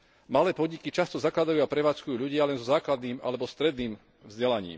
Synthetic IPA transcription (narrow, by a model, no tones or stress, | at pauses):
malɛːpɔd̪ɲikit͡ʃast̪ɔzaklad̪ajuːapɾɛʋaːt͡skujuːʎuɟɪalɛnzɔzaːklad̪niːma̰lɛbɔst̪ɾɛd̪niːm | vzɟɛlaɲḭːm